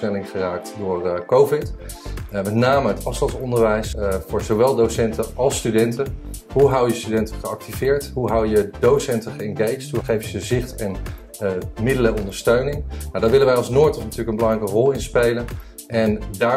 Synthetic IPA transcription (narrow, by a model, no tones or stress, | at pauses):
ɛlɪŋχəraːk̚tdʊːrkowvɪt | əmɛtnaːməɦətɑfstɑntsɔndəɹʋɛjsfʊːɹzowʋɛlˠdowsɛntəɑlˠstydɛntəɦuɦawjəstydɛntəχəɑk̚tivɪːɹtɦuɦawjədowsɛntəχəɛŋɡejt͡ʃtɦuχejfəzɪχtɛn | mɪdələɔndəɹstøɥnɪŋnadaːɹʋɪlənʋɛjɑlˠsnoːɹtənnatyːləkənbəlɑŋrɛjkərɔlˠɪnspejlən | ʔɛndaː